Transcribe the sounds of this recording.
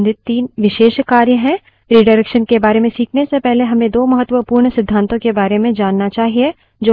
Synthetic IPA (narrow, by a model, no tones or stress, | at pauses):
d̪ɪt̪t̪ːiːnʋɪʃeːʃkaːɾjəɦɛ̃ | ɾiːɖəɾɛkʃənkebaːɾemẽsiːkʰnesepɛɦleɦɐmẽd̪oːmɐɦət̪ːwəpuːɾɳsɪd̪ʱːãːnt̪õkebaːɾemẽd͡ʒaːnːat͡ʃaːɦie | d͡ʒoː